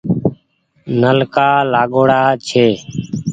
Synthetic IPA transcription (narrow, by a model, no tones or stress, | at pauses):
nəlkaːlaːɠoːɽaːt͡ʃʰeː